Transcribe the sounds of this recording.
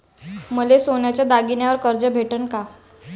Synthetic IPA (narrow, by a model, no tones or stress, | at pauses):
məlesonjat͡ɕjad̪aɡinjaʋəɾkəɾd͡ʑəbʱeʈənka